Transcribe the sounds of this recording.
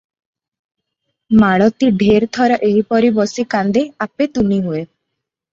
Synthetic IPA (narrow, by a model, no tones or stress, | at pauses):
maɭɔt̪iɖʱeɾt̪ʰɔɾɔʔeɦipɔɾibɔsikand̪eapet̪uniɦue